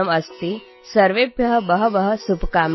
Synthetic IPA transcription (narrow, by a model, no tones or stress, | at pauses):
əmɐst̪i | səɾʋebʱjɐɦəbəɦə̆ʋəɦəsubkaːm